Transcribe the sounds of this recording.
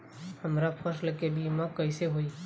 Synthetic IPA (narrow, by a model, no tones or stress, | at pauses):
həmɾapʰəɾsləkebʱiməkəɪseɦoi